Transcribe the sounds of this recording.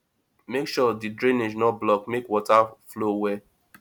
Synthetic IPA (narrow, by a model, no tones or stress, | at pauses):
mekʃɔdidɹẽned͡ʒnɔblɔkmekwɔtaflowɛ